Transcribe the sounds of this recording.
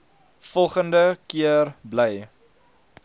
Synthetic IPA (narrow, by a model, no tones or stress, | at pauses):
fɔlˠχəndəkiərbləj